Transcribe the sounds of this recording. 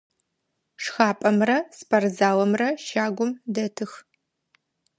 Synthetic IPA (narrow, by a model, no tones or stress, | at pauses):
ʂxaːpʼɐmrɐspʰɐrzaːwɐmrɐʃaːɡʷʊmdɐtʰɨx